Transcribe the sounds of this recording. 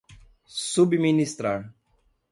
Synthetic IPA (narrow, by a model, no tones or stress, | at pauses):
subminist̪ɾaɾ